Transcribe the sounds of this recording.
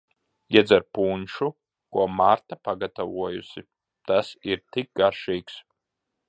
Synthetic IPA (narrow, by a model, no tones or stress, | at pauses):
jɛd͡zɐɾpʰuːnʃu | kuɔmart̪ʰapaɡat̪ʰavuɔjusi | t̪ʰasiɾt̪ʰik̚ɡarʃijks